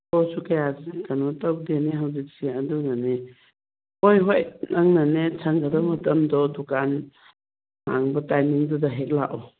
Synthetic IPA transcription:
ɔwsukajazinkanɔtaw̚deneɦawzik̚siɐdunane | ojɦojnʔaŋnanesʰaŋɡaɾɐmɐtɐmdɔdukan | ha̰ŋbɐtajniŋdɔdɐɦek̚laʔɔ

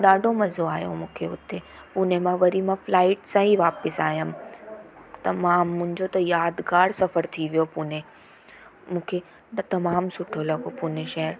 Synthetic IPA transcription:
ɗaːɖʱomɐzoaːjo̰mũːkʰeʊt̪e | puːnemãʋɐɾimãflaːɪʈsãːiʋaːpɪsaːɦjəm | t̪ɐmãːmːʊ̃ɦɪ̃ɲd͡ʑot̪ɐjaːd̪ɡaːɽsɐfəɾt̪ʰiʋijopuːnẽ | mũːkʰe | t̪ɐmaːmsʊʈʰolɐɡopuːneʃɐɦəɾ

